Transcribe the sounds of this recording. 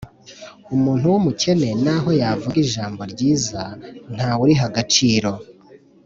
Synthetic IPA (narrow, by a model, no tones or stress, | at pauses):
umuːn̥huwumuce̞ne̞naɦo̞javuɡiʒaːmbo̞ɾɟiːzan̥haːwuɾiɦaɡat͡ʃiːɾo̞